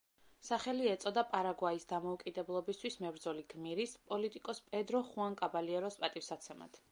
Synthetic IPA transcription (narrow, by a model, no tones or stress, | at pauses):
saχɛliɛt̪sʼɔd̪apʼaɾaɡwaisd̪amɔukʼid̪ɛblˠɔbist̪ʰwismɛbɾd̪zɔliɡmiɾispʼɔlit̪ʼikʼɔspʼɛd̪ɾɔχuaŋkʼabaliɛɾɔspʼat̪ʼifsat̪sʰɛma̰t̪ʰ